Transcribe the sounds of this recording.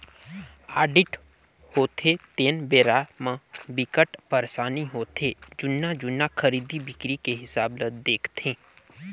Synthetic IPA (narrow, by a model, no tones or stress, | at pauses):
aːɖɪʈ | hoːt̪ʰet̪eːnbeːɾamãbɪkəʈpəɾsaːniɦoːt̪ʰed͡ʒʊnːad͡ʒʊnːakʰəɾiːd̪ibɪkɾikeɦɪsaːbləd̪eːkʰt̪ʰẽː